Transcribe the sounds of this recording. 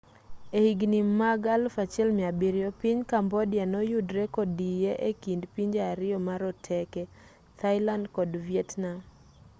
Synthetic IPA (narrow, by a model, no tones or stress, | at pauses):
ehiɡnimaɡalfat͡ʃɛlmɪabiɾjɔpiɲkambɔdɪanɔjudɾekɔdijeʔekindpiɲd͡ʒaaɾɪɔmaɾɔtʰɛkɛ | t̪ʰaɪlandkɔdviɛtna